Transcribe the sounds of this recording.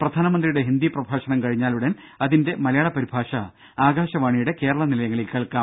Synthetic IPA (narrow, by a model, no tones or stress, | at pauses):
prɐd̪ʱaːnɐmɐnd̪rijuɽe̞ɦind̪iprɐbʱaːɕɐnɐmkɐɻiɲːaːluɽɐn | ɐðinde̞mɐlɐjaːɭɐpɐɾibʱaːʂɐ | aːɡaːɕɐʋaːɳijuɽe̞ke̞ːɾɐɭɐnilɐjɐŋːɐɭilkɐɭkaːm